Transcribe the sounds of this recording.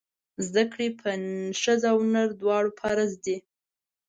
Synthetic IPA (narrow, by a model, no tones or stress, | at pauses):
zd̪akɽepʰəʃəzawnaɾd̪wɑɽopʰaɾazd̪e